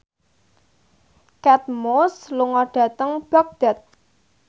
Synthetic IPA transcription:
kɛt̪̚mosluŋɔɖ̥ä̤t̪əŋb̥ak̚d̪̥a̤t̪̚

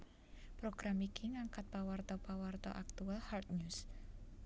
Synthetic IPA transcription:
pɾoɡ̥ɾamikiŋaŋkat̪̚pawart̪ɔpawart̪ɔ̰ʔak̚t̪ualhart̪̚ɲus

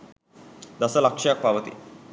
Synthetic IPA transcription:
d̪asəlakʂjak̚paʋət̪ḭː

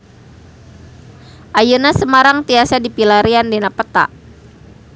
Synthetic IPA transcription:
ʔajənasəmaɾaŋt̪iasadipilaɾiandenapət̪a̰ʔ

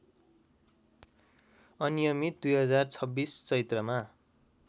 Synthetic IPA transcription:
ʌnijʌmit̪̚d̪ujɦʌd͡zart͡sʰʌbːist͡sʌit̪rʌma

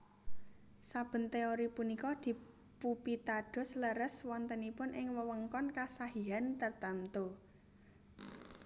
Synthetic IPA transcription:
sab̥ə̤nt̪eoɾipunikɔd̪̥i̤ | pupit̪aɖ̥ɔ̤sləɾəswɔnt̪ənipʊnʔɪŋwəwəŋkɔnkasaɦiant̪ərt̪amt̪o

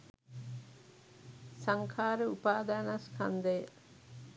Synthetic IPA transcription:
saŋkʰaːɾəupaːd̪aːnaskʰand̪əjə

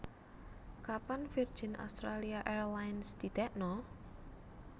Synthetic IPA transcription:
kapanfir̥d͡ʒ̥i̤ɪna̰st̪ɾaliaʔɛrlajnsd̪̥id̪̥ɛʔnɔ

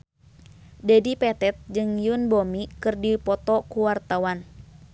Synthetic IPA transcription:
dɛdipɛt̪ɛt̪̚d͡ʒɨŋjunbomikɨrdipɔt̪ɔkuwart̪awan

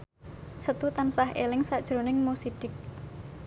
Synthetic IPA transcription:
sət̪ut̪ansahʔelɪŋsad̥ʒ̥ɾonɪŋmosiɖ̥ɪk̚

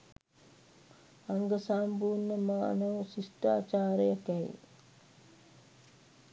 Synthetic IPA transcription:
aŋɡəsaːmbuːnːəma̰nəʋsisʈa̰ːt͡ʃaːɾejəkɛj̰

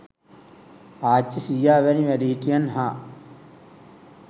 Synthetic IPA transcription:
aːt͡ʃːisijaːʋɐniʋæɖiːʈːijɐnɦaː

